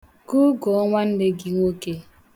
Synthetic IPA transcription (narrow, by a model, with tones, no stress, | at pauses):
ku˦ɡɔ˨ɔ˦ŋʷa˦n̩˦dɪ˦ɡi˨ŋ˦o˦ke˦